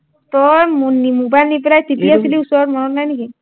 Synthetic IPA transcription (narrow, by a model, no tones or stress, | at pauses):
t̪ɔjmnimobajlnipɾajt̪ipiasiliusɔɾɾmɔnɔnajniki